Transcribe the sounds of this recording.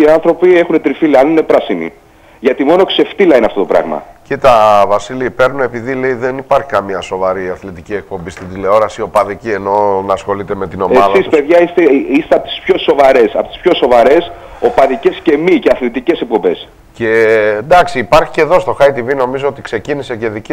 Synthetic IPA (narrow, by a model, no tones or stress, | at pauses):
iɐnθɾo̞pie̞xunet̪ɾifiliɐnine̞pɾɐsimḭ | ʝɐt̪imo̞no̞kse̞ft̪ilɐineɐft̪ot̪o̞pɾɐ̰ɣmɐ̰cit̪ɐvɐsiliipe̞ɾnune̞piðile̞iðe̞nipɐɾçi̥kɐmiɐso̞vɐɾiɐθlet̪icie̞k̚po̞mbist̪id̪ile̞o̞ɾɐsio̞pɐðicie̞no̞nɐsxo̞lit̪e̞me̞t̪ino̞emɐðsispeðʝɐist̪eist̪eɐpot̪i̥spço̞so̞vɐɾe̞sɐpot̪i̥spço̞so̞vɐɾe̞s | o̞pɐðice̞sce̞miceɐθlet̪ice̞sek̚po̞mbe̞s | ce̞d̪ɐksiːpɐɾçiceðo̞st̪o̞xɐit̪ivino̞mizoot̪i̥kse̞cinise̞ce̞ðic